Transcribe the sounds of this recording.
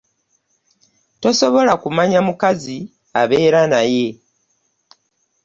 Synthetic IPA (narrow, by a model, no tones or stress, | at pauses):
to̞so̞βo̞lakumaɲamukazi | a̰βe̞ːɾanaje̞